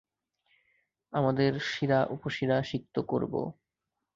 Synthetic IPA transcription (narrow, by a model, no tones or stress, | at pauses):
amad̪eɾʃiɾaʔupoʃiɾaʃik̚t̪oko̰ɾbo̰